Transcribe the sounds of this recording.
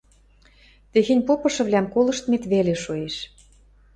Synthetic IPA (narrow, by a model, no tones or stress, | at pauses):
t̪exĕnʲpopɤ̆ʃɤ̆βlæmkolɤ̆ʃt̪met̪βeleʃueʃ